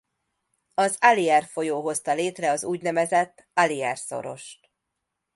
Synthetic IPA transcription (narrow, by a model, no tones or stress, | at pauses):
ɒzaliɛrfo̞joːɦo̞st̪ɒleːt̪rɛɒzuːɟnɛmɛzɛt̪ːɒliɛrso̞̰ɾo̞̰ʃt̪